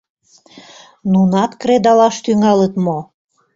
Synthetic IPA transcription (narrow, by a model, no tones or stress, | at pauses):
nunɑt̪kɾed̪ɑlɑʃt̪yŋɑlət̪mo